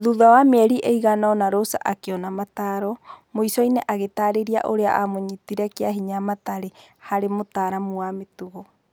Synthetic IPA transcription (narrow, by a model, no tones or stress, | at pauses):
ðuðawamɛɾiʔeiɣanaɔnaɾosa̰ʔakeɔnamataɾɔmoisɔinɛʔaɣetaɾeɾia̰ʔoɾea̰ʔamoɲitiɾɛkeaɦiɲamataɾehaɾemotaɾamuametuɣɔ